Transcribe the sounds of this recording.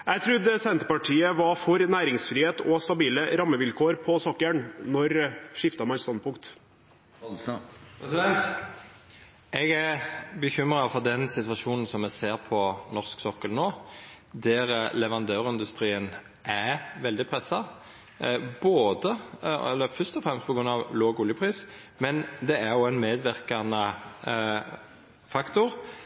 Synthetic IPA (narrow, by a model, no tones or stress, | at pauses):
ʔæɪt̪ʰɾʉd̪ɛsɛnt̪əpɑʈʰiːəʋɑɾfɔɾnæːɾɪŋsfɾiːheːt̪ɔst̪ɑbiːləɾɑmːəʋɪlkʰoːɾpʰɔsɔkːəɳnɔɾʂɪft̪ɑmæɪst̪ɑnpʰʊŋkt̪ | ɛsɪd̪ɛnt̪ | ʔɛɡæbəçʏmɾɑfɔʁd̪ɛnsɪt̪ʋɑʃuːnn̩sɔmːɛseːɾpʰɔnɔʁsksɔkːəlnoː | d̪æʁlɛʋɑnd̪øːʁɪnd̪ʉst̪ɾiːən | ʔæʋɛld̪ɪpʰɾɛsːɑ | boːd̪əɛ̰lːəfʏst̪ɔfɾɛmst̪pʰɔɡɾʉnːɑʋloːɡʊljəpʰʁiːs | mɛnd̪ɛæɾjʊæɪnmeːd̪ʋɪɾkɑnə | fɑkt̪ʊʁ